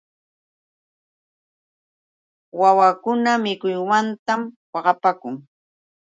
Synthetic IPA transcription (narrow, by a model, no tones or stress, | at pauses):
wawakʊnamɪkʊjwant̪amwɑɢɑpakʊŋ